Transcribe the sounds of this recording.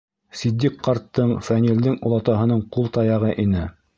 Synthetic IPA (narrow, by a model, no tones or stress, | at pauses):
sid̪ʲːikqːɑɾt̪ːɤɴfænʲild̪ɘŋŭlˠɑt̪ɑɦɤ̆nɤɴqulˠt̪ɑjɑʁɤʔinɘ